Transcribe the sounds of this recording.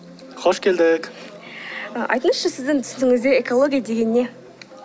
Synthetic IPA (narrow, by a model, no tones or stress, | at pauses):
qʰoʃkʲʰe̞ld̪ɪk | əʔɑ̰jt̪ənəsʃəsɪzd̪ɪŋt̪ʰʏ̥sɪŋɪzd̪eeko̞lˠo̞ɡʲijad̪e̞ɡʲe̞nɪne̞